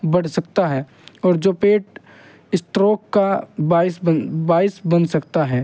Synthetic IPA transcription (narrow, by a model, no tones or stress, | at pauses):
bɐɽ̤sɐk̚t̪aɦɛː | ɔːɾd͡ʒoːpeːʈ | ɪsʈɾoːkːabaːɪsəbaːɪsbɐnsɐkt̪aɦɛː